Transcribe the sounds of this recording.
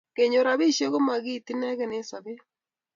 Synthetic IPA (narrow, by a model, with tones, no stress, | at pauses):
ke˨ɲo˨ɾa˨bi˦ʃe˦ko˦ma˨ɡi˦˨t̪i˦nɛ˦ɡɛ˦˨ne˦sa˨be˦